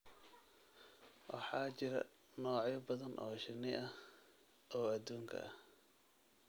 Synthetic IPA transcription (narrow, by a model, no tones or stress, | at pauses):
wɑħɑːt͡ʃɪɾɐ̰ | nɔːʕjɐbɐðɐnʔɔ̰ːʃɪnːɪʔɐh | ʔɔːɐd̪uːŋkʰɐ̰ʔɐ